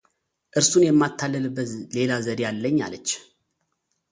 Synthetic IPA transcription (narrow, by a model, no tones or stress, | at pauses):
ʔɨɾsunjɛmːat̪ʰːalːəlbːəle̞lazəɾejalːəɲːa̰lət͡ʃː